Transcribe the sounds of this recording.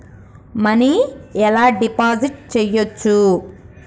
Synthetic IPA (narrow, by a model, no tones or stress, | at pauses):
mɐniɛlaːɖipaːd͡ʒiʈ̚t͡ʃɛjot͡ʃːu